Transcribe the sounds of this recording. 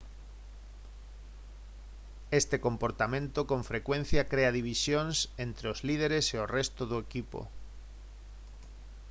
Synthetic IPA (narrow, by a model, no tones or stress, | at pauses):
est̪ekompoɾt̪amẽnt̪okõɱfɾekwẽn̟θjɐkɾeɐðiβisjoŋsent̪ɾeozlið̞eɾeseorest̪ʊðʊekipo̰